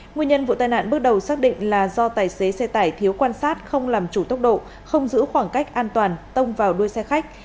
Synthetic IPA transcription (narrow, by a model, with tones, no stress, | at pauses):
ŋwi˧əɲə˧nvṵ˧˨t̪aː˨˩jna̰ː˧˨nɓɨ˦˥ək̚ɗə˨˩wsaː˦˥k̚ɗḭ˧˨ŋ̟laː˨˩zɔ˧t̪aː˨˩jse˨˦sɛ˧t̪aː˧˩jt̪ʰi˨˦wkwaː˧nsaː˦˥t̚xə˧wŋ͡mlaː˨˩mt͡ɕu˧˩t̪ə˦˥wk͡p̚ɗo̰˧˨ | xə˧wŋ͡mzɨ̰˧˥xwaː˧˩ŋka˦˥jk̚ʔaː˧nt̪waː˨˩nt̪ə˧wŋ͡mvaː˨˩wɗu˧əjsɛ˧xa˦˥jk̚